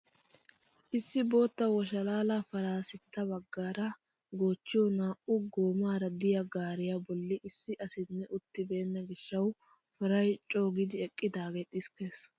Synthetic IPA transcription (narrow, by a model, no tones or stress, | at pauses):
ʔɪsːɪbo̞ːt̪ːɐwɔʃɐlaːlafɐɾaːsɪt̪ʰːɐbɐɡːaːɾɐ | ɡo̞ːt͡ʃːɪjɔnaːʔʊɡo̞ːmaːɾɐd̪ɪjɐɡaːɾɪjabɔlːɪʔɪsːɪʔɐsɪnːɛʔʊt̪ːɪbe̞ːnːɐɡɪʃːɐw | fɐɾɐjt͡ʃʼoːɡɪd̪ɪɛkʼːɪd̪aːɡeːt̪ʼɪskeːs